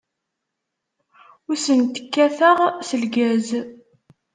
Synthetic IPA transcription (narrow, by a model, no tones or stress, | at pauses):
ʊsənt̪ə̥kːæθəʁsəlɡæz